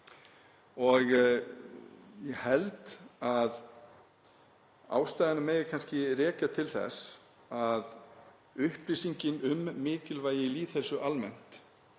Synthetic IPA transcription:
ɔɣ | jɛɣhɛlt̪að | a̰ːwst̪aːjðɪnameːjɣakʰanscɪrɛːcat̪ʰɪlθɛ̰s | að | ʏhpɾisiɲcɪnʏmːɪːcɪlvaːjɪiliːθɛsʏʔalmɛn̥t̪

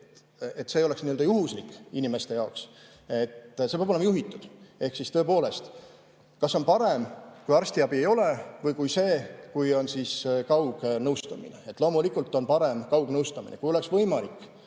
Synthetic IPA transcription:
et̪ːse̞jo̞leksniøld̪ɑjuɦuslikːˑinʲime̞st̪e̞jɑoks | e̞t̪ːse̥ɑbolemɑjuɦit̪ːˑud̪̥e̞hksist̪ø̞epo̞ːle̞st̪ | kɑsːo̞npɑɾemkujɑrsʲt̪iɑbie̞jo̞le̞vɤjkujse̞ːkujo̞nsiːskɑwɡ̥nɤwst̪ɑmḭnḛet̪ːˑlo̞ːmulikːˑult̪ːˑo̞npɑɾe̞mkɑwɡ̥nɤwst̪ɑmḭnekujo̞leksvɤ̞jmɑlikːˑ

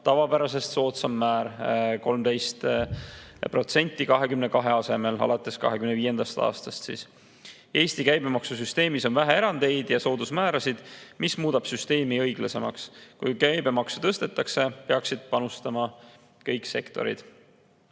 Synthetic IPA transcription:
t̪ɑvɑbæɾɑse̞st̪so̞ːt̪sɑmːæːɾko̞lmd̪̥e̞jst̪ | pro̞t̪se̞nʲt̪ːˑikɑɦe̞kymnekɑɦeɑse̞me̞lɑ̰lɑt̪ːˑe̞skɑ̰ɦe̞kymneviːe̞nd̪̥ɑst̪ɑ̰ːst̪ɑst̪sḭs | e̞ːst̪ikæjbe̞mɑksus̬yst̪e̞ːmiso̞nvæɦee̞ɾɑnd̪̥e̞jd̪̥jɑso̞ːd̪̥usmæːɾɑsid̪̥mismuːd̪̥ɑb̥syst̪e̞ːmiɤjɡ̥lɑse̞mɑ̰kskujkæjbe̞mɑksu̥t̪ɤst̪e̞t̪ːˑɑkse̞peɑksid̪̥̚pɑnust̪ɑmɑ | kɤjkse̞kt̪o̞̰ɾḭd̪̥

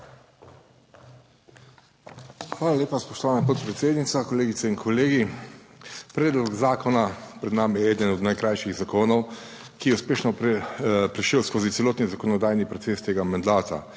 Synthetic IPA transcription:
xʋaːlalʲeːpaspɔʃt̪ɔʋaːnapot̪̚pɾɛt̪seːd̪nit̪sakɔleːɡit̪sɛinkʰɔleːɡi | pɾɛːd̪lɔkzaːkɔnapɾɛd̪naːmijɛɛːd̪ənɔd̪najkɾajʃiɣzakoːnɔw | kijɛuspeːʃnɔ | pɾiʃewskoːzit̪sɛloːt̪nizakɔnɔd̪aːjnipɾɔt̪seːst̪eːɡamand̪aːt̪a̰

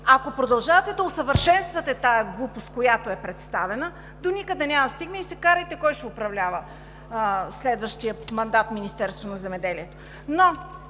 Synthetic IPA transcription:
akopɾod̪ɐlˠʒavɐt̪ɛd̪ɐosəvəɾʃɛnst̪vɐt̪ɛt̪ajɛɡlˠupost̪kojat̪oɛpɾɛt̪st̪avɛnə | d̪onʲikəd̪ɛnʲamɐst̪iɡnəisɛkaɾɐjt̪ɛkɔjʃɛopɾɐvlʲavə | slɛd̪vəʃt̪ijəmɐnd̪at̪minist̪ɛɾst̪vonɐzɛmɛd̪ɛliɛt̪o̥ | no

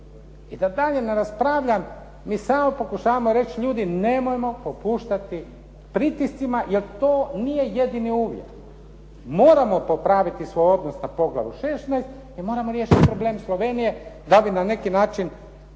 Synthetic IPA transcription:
id̪ad̪aʎe̞ne̞ɾaspɾaʋʎamː | iːsaːmo̞po̞kuʃaːʋamoɾe̞t͡ʃʎuːd̪ine̞mojemo̞popuːʃt̪at̪i | pɾit̪ist̪simaje̞lt̪oːnije̞je̞d̪iniuːʋjḛk | mo̞ːɾamo̞popɾaʋit̪isʋo̞jo̞d̪nosnapo̞ɡlˠa̰ʋṵʃesnajst̪ | imo̞ːɾamoɾjeːʃit̪ipɾo̞bleːmslˠo̞ʋe̞nije̞d̪abinane̞kinaːt͡ʃin

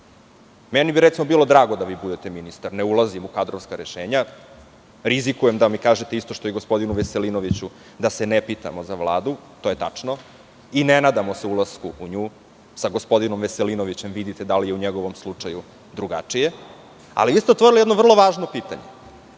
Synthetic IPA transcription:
menibiɾet̪simo̞biːlo̞d̪ɾaːɡod̪aʋiːbud̪et̪eminist̪aɾneulˠazimukad̪ɾoʋskaɾeʃeːɲa | ɾizikujemd̪amikaːʒet̪eist̪o̞ʃt̪ojiɡospo̞d̪inuʋese̞lino̞ʋit͡ɕu | d̪ase̞nepit̪a̰mozaʋlˠaːd̪ut̪o̞ːje̞t̪at͡ʂno | inenaːd̪amoseulˠaskuʔuɲuː | saɡospo̞d̪inomʋeselinoʋit͡ɕemʋid̪it̪ed̪alijeuɲeɡo̞ʋo̞mslˠut͡ʂaju | d̪ɾuɡa̰t͡ʂije̞ | a̰liʋiːst̪eot̪ʋo̞ɾilijed̪novr̩lˠo̞ʋaːʒno̞piːt̪a̰ɲḛ

